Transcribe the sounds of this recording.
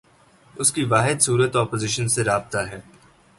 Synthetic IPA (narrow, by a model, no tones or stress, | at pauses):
ʊskiʋaːɦɪd̪suːɾət̪ɔːpoːzɪʃənseɾaːb̚t̪aɦɛː